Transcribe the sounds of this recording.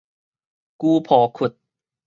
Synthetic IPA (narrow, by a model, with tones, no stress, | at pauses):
kuː˧pʰɔː˨˩˦kʰu˨˩t̪̚